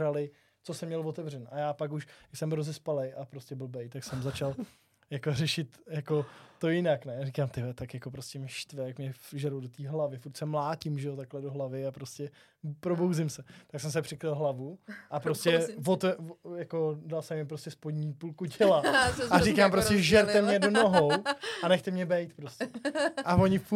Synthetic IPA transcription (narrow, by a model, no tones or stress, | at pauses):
ɾalɪ | t͡so̞sɛmɲɛlvo̞t̪ɛvr̝ɛnʔajaːpakuʃjsɛmɦɾozɛspalejʔapɾoscɛbl̩bɛjt̪aksɛmzat͡ʃal | jakorɛʃɪt̪jako̞t̪ːo̞jɪnaknɛjarɪkaːmt̪ɪvɛt̪akjakopɾoscɛmɪʃt̪vɛjakmɲɛʒɛɾudot̪iːɦlavɪfuɾt̪sɛmlaːcɪmʒɛjot̪aklɛdoɦlavɪapɾoscɛ | pɾobowzɪmsɛt̪aksɛms̬ɛpr̥ɪkɾɪlɦlavuʔapɾoscɛsvot̪ɛjakodalsɛmːjɛpɾoscɛspodɲipulkucɛlaarikaːmpɾostcɛʒɛɾt̪ɛmɲɛdonoɦoanɛxt̪ɛmɲɛbɛjt̪pɾoscɛʔavoɲɪf